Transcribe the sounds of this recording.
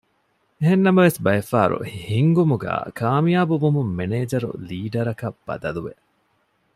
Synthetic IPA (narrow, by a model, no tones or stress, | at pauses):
eɦenːɐmɐʋesbɐjɐfaːɾṵhiŋɡumuɡæ̰ːkʰaːmijaːbuʋumumːeneːd͡ʒɐɾṵliːɖɐɾɐkɐb̥ɐ̰d̪ɐluʋe